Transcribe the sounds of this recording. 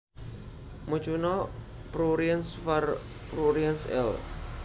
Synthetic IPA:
mu̥t͡ʃunɔ | pɾuɾiansfar | pɾuɾiansɛ̰l

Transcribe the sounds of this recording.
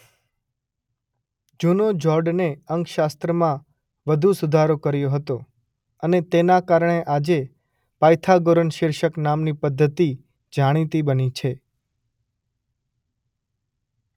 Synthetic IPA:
d͡ʒunod͡ʒɔɾɖneəŋkʃast̪ɾəmã | ʋəd̪ʱusud̪ʱaɾokəɾjoɦət̪o | ənet̪enakaɾɳ̃eʔad͡ʒe | pajt̪ʰaɡoɾənʃɪɾʃəknamnipəd̪ʱːət̪i | d͡ʒaɽ̃it̪ibənit͡ʃʰe

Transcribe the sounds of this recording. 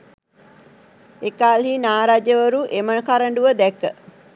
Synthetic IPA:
ekaːlɦinaːɾad͡ʒəʋəɾuʔemənəkaɾəɳɖuʋəd̪ɛkːə

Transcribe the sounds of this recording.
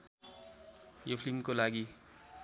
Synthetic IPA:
jopʰlimkolaɡi

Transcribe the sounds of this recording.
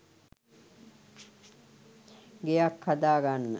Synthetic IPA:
ɡejakhad̪aːɡanːə

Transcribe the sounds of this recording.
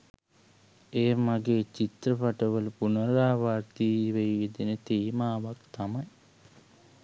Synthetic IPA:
eːmaɡeːt͡ʃit̪rəpaʈəʋələpunəɾaːʋaɾt̪iːʋejʋid̪inət̪iːmaːʋakt̪amaj

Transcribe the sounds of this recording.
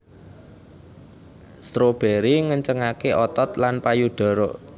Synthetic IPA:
st̪ɾob̥eɾiŋəɲt͡ʃəŋakeʔɔt̪ɔt̪lanpajuɖ̥ɔ̤ɾoʔ

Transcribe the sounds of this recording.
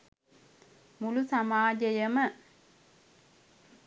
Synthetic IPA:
mulusamaːd͡ʒəjəmə

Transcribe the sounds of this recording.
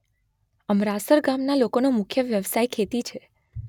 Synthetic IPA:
əmɾasəɾɡamnalokonomʊkʰjəʋjəʋsajkʰet̪it͡ʃʰe

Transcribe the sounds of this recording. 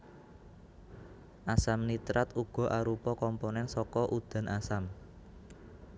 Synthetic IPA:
ʔasamnit̪ɾat̪uɡ̥ɔ̤ʔaɾupɔkɔmponɛnsɔkɔʔud̪̥ä̤nasam

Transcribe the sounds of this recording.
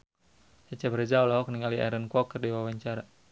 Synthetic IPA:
sat͡ʃɛbəɾɛd͡ʒaulaɦɔkniŋaliɛ̰ɾənkwɔkːərdiwawaɲt͡ʃaɾa

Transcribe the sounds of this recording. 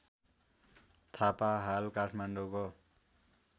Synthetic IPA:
t̪ʰapaɦalkaʈʰmaɳɖoko

